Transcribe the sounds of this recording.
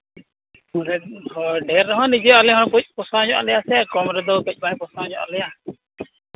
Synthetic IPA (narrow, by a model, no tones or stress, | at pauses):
ɔɖɛɾːɔɦãnid͡ʒɔalɛɦɔkɔc̚pɔsãd͡ʒɔʔa̰lɛjasɛakɔmɾɛd̪ɔkɛc̚ˀbajpɔsãd͡ʒɔʔa̰lɛja